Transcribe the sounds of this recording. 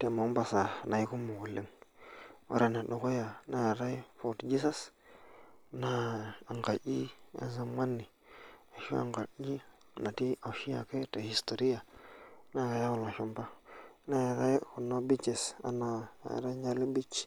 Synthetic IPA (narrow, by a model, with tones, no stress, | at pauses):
te˨mo˨˦mba˨sa˨na˨ji˦ku˦mu˨ɡu˨lːi˦ŋ | o̰˦ɾʔe˨na˨ɗo˨ko˦ja˨na˨ja˨ɾa˦i˦fo˨td͡ʒi˦sa˦s | na˨a˨ŋka˨ʔi˦a̰˨za˦mma˦nːi˨ | a˨ʃṵ˦a̰˨ŋɡa˨i˦˨na˨ti˦a˨ʃi˦ja̰˨ke˦te˨hi˨sto˨ɾi˦ja˨˦na˦˨ka˨ja˦wu˨lma˨ʃu˦mba˦na˦ja˨ɾa˦jku˨no˦bi˦t͡ʃe˨sa̰˨na̰˨a̰˨ɾa˦ɲa˦li˦bi˦t͡ʃ